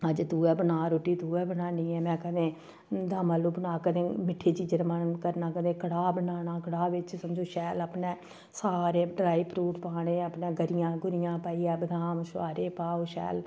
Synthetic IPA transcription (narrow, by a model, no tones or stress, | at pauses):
əd͡ʒt̪uːɛːbənaːɾoːʈiːt̪uːɛːbənaːniːɛːmɛ̃ːkəd̪ẽː | d̪aːmaːloːbənaːkəd̪ẽːmɪʈʰːeːt͡ʃiːd͡ʒəɾmənkəɾnaːkəd̪ẽːkəɽaːbənaːnaːkəɽaːʋɪt͡ʃsəmd͡ʒoːʃɛːləpneː | saːɾeːɖɾaːipʰɾuːʈpaːɽẽːəpnẽːɡəɾɪjãːɡʊɾɪjãːpaːiːɛːbənaːmʃaːɾeːpaːoːʃɛ̰ːl